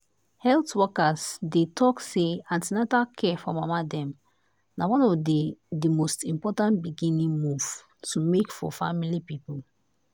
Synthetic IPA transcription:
hɛltwɔkasdetʰɔkseãntinatakʰɛfɔmamadɛ̃m | nawɔ̃nɔvdedimostĩmpɔtãntbiɡĩnĩŋmuv̥ | tʰumekfɔ̰fa̰milipipul

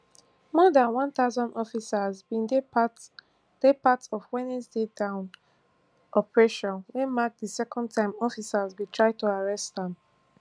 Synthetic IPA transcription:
mɔdãnwãnθaʊzɔ̃ndɔfisazbĩnde | d̥epatɔfwɛ̃nɛsdedãʊ̃n | ʔɔpəɹeʃɔ̃nwɛ̃nmak̚ðisɛkɔ̃n̚tʰãɪ̃mɔfisazwitʰɹ̥aɪd̚tʰuaɹɛstðɛ̃m

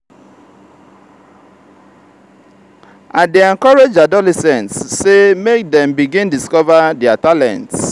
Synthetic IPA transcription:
ʔadeɛ̃ŋkɔɹed͡ʒadɔlɛsɛ̃ntsːemek̚dɛ̃mbiɡĩndiskɔvadɛatalɛ̰̃nts

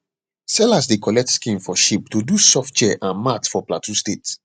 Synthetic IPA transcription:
sɛlas̬dekɔlɛk̚tskĩnfɔʃip̚tudusɔft̚t͡ʃɛʔãnmatfɔplatʰustet

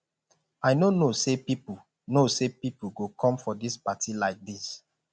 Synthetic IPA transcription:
aɪnonosepipu | nosepipuɡokʰɔ̃mfɔdispatilaɪk̚dis

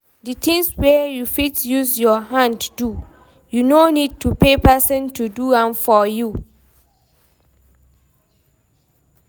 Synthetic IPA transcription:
dɨtĩŋswɛjufitjuzjɔɦãnddu | junonid̚tʰupʰepɛsə̃ntʰuduãmfɔju

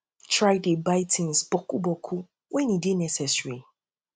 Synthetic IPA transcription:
tʰɹaɪdebaɪtʰĩnsbɔkubɔkʰu | wʔɛ̃nidenɛsɛsɹi

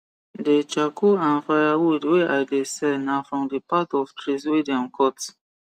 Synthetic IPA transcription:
det͡ʃakʰuãnfajawudweʔaɪdesɛnafɹɔ̃mdəpatɔftɹiswedɛ̃mkʰɔt

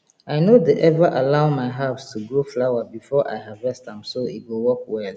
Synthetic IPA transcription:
aɪnodeʔɛvəʔalaʊmaɪɦapstʰuɡɹoflaʊabifɔʔa̰ɪɦavɛstãmsoitwilwɔkwɛl

